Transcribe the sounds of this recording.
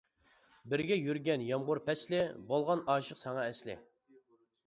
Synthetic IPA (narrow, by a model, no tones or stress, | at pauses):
bɪɾɡʲɛjyɾɡʲɛnjɑmʁʊɾpʰɛslɪbolˠʁɑnɑːʃəqsɑŋɑɛslɪ̰